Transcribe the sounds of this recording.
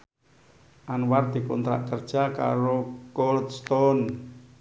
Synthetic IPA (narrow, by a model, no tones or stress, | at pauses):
ʔanward̪̥i̤kɔnt̪ɾa̰ʔkərd̥ʒ̥a̤ka̰ɾokɔld̪st̪ɔn